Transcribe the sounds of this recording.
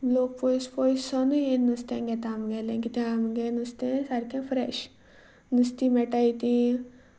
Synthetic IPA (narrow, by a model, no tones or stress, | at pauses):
bloːk̚pojspojssɔnɨenɨst̪ẽɡɛt̪aːmɡelẽkit̪ẽamɡenɨst̪ẽsaɾkẽfʰɾeʃ | nɨst̪ĩmeʈajt̪ĩ